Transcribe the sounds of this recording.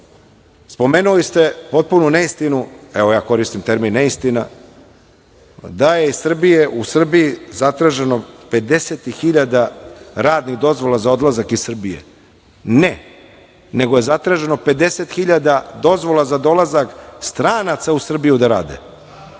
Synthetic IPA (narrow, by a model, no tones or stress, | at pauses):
spo̞meːnulist̪e̞po̞t̪̚pununeist̪inueʋo̞jaːko̞ɾist̪imt̪eɾminːeist̪ina | d̪aje̞isr̩bije̞ʔusr̩bijizat̪ɾaʒe̞no̞pe̞d̪e̞set̪ixiʎad̪aɾaːd̪niɣd̪o̞zʋo̞lazao̞d̪lˠazakissr̩bijḛ | ne | ne̞ɡoje̞zat̪ɾaːʒe̞nope̞d̪e̞set̪xiʎad̪ad̪o̞zʋo̞lˠazad̪o̞lˠazakst̪ɾaːnat̪sausr̩bijud̪aɾa̰ːd̪ḛ